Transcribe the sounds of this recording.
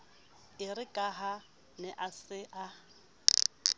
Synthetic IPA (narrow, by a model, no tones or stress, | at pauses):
ɪrɪkʼaɦa | nɛʔasɪʔa